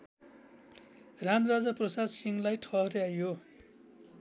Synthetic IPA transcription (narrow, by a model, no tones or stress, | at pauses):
ramrad͡zaprʌsad̪siŋlajʈʰʌɦrjajo